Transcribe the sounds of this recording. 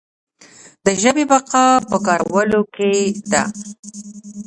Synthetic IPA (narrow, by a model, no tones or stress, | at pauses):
d̪əʒəbebaqɑpəkɑɾawəloked̪a̰